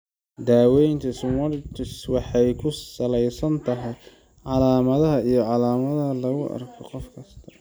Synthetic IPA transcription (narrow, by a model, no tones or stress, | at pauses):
d̪aːwɛjnt̪ʰɐsmɐlt̪ʰɪswɑħɑjkʰʊsɐlɛjsɐnt̪ʰɐɦɛj | ʕɑlaːmɐðɐɦɐijɞʕɑlaːmɐðɐɦɐlɐɣʊʔɐ̰rkʰɔqɔfkʰɐst̪ʰɐ̥